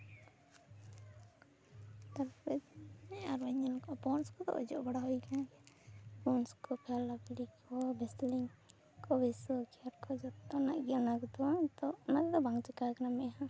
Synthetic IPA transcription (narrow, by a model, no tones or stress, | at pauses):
t̪aɾpɛnɛaɾaɲɔnkɔpɔnskɔd̪ɔ̰ʔɔ̰d͡ʒɔʔbaɽaɦujkanaɡɛ | pɔnskɔpʰalabɽikʰɔbɛsliŋ | kɔbɛsɔkiaɾkɔd͡ʒɔt̪ɔnaʔɡnakɔd̪ɔd̪ɔʔnakd̪ɔbaŋt͡ʃɛkakanamɛʔhã